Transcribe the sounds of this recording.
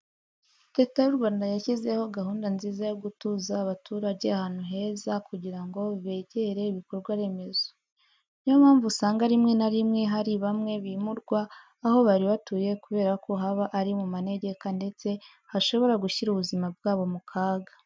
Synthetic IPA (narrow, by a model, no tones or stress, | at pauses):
ɾe̞ːtajuɾɡwaːndajaçize̞ho̞ɡaɦuːndanziːzajoɡutuzaːβatʰuːɾaɟeahaːn̥huɦe̞ːzakuɟiɾaŋɡo̞βe̞ɟeɾe̞iβiko̞ɾɡwaɾe̞me̞zo | nijomaːɱvusaːŋɡaɾimŋe̞naɾimŋe̞ɦaɾiβamŋe̞βimuɾɡwaː | ɦo̞βaɾiβatuje̞kuβe̞ːɾakʰo̞ɦaβaʔaɾimumane̞ɟe̞kande̞t͡se̞ | haʃo̞βo̞ɾaɡuçiɾuβuzimab̚ɡaːβo̞mukʰaːɡḁ